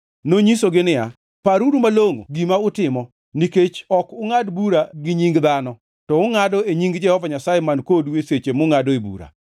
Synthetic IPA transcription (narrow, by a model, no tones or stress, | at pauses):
noɲisoɡɪnɪa | paɾuɾumaloŋo̰ɡimaʊtɪmɔ | niket͡ʃɔkʊŋadbuɾaɡɪɲiŋɡd̪anɔ | tɔʊŋadɔeɲiŋɡd͡ʒɛhɔvaɲasajemankodweset͡ʃemʊŋadɔebṵɾa̰